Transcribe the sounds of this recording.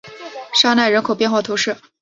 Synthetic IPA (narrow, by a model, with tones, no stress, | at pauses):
ʂa˥na˥˩ɪɻə˧˥nkʰo˨˩ʊpjɛ˥˧nxwa˥˩t̪ʰu˧˥ʂɻ̩˥˩